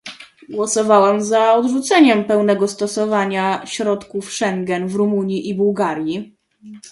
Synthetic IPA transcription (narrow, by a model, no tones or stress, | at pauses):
ɡwɔsɔvawɛmzaɔd̪ʐut̪sɛɲɛmpɛwnɛɡɔst̪ɔsɔvaɲaɕɾɔt̪kufʂɛŋɡɛnvɾumuɲjiʔibuwɡaɾʲji